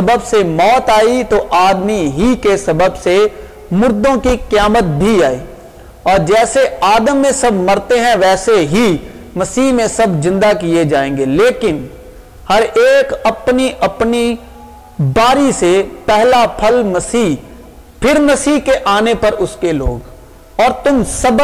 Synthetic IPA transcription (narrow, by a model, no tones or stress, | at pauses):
ɐbəbsemɔːt̪aːit̪oʔaːd̪miɦikesɐbəbse | mʊɾd̪õkikjaːmət̪̚bʱiaːiː | ɔːɾd͡ʒɛːseaːd̪əmːẽsɐbʱmɐɾt̪eɦɛ̃ʋɛːseɦi | mɐsiːɦmẽsɐbzɪ̃nd̪akied͡ʒaːẽːŋɡeleːkɪn | hɐɾeːkɐpniʔɐpni | baːɾisepɛɦlapʰəlmɐsiː | pʰɪɾmɐsiːɦkeʔaːnepɐɾʊskeloːɡ | ɔːɾt̪ʊmsɐb